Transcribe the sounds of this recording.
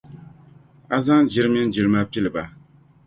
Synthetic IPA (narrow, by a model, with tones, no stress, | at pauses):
a˦za˦ŋ˦d͡ʒi˦ɾɨ˦mi˦n̩˦d͡ʒi˨ɾɨ˦ma˦pi˦lɨ˨ba˨